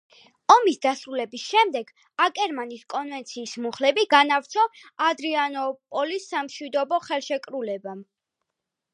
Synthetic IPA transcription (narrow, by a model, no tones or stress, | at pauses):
ɔmisd̪asɾulɛbisʃɛmd̪ɛɡ̥ | akʼɛɾmaniskʼɔnvɛnt̪sʰiːsmuχlɛbiɡanaft̪sʰɔad̪ɾianɔpʼɔlisːamʃwid̪ɔbɔχɛlˠʃɛkʼɾulɛbam